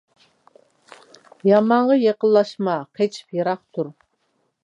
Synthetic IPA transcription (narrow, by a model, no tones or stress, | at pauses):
jɑmɑɴʁɑjeqəlˠlːˠɑʃmɑqʰet͡ʃʰi̥pjeɾɑχt̪ʰuɾ